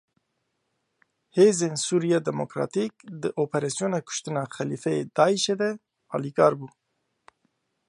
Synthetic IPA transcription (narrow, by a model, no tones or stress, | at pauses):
heːzeːnsuːɾijɑːd̪ɛmokɾɑ̰ːt̪ik̚d̪ɨʔoːpʰɛɾɛsijoːnaːkʰʊ̥ʃt̪ɨnɑːxɛliːfɛjed̪ɑːiʃeːd̪ɛ | ɑ̰ːlikɑːɾbuː